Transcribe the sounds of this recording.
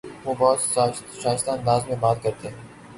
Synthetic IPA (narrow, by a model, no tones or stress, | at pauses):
ʋoːbɔɦt̪saː | ʃaːɪst̪ãːnd̪aːzmẽbaːt̪̚kɐɾt̪eɦɛ̃ː